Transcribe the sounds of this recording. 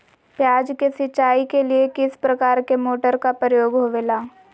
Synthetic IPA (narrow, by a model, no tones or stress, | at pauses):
pjaːd͡ʒkesɪt͡ʃaːikeliekɪspɾɐkaːɾkemoːʈəɾkapɾəjoːɡɦoʋeːlaː